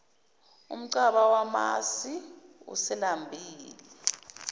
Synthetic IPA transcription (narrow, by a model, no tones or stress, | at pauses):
ṵm̩ǀaɓawama̰siṵsɛlambʱiːli